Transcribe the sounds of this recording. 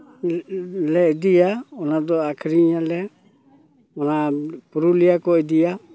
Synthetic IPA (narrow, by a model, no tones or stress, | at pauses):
lɛdijaɔnadɔakʰɾiɲalɛ | ɔnapuɾulijakɔɛdija